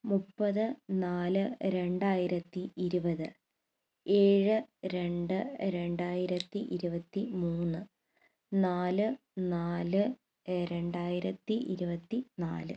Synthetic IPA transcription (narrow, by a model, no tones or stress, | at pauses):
mupːɐðɨnaːlɨɾe̞ɳɖaːjiɾɐt̪ːiʔiɾubɐðɨ | e̞ːɻɨɾe̞ɳɖɨɾe̞ɳɖaːjiɾɐt̪ːiʔiɾubɐt̪ːimuːnːɨ | naːlɨ | naːlɨ | ɾeɳɖaːjiɾɐt̪ːiʔiɾubɐt̪ːina̰ːlɨ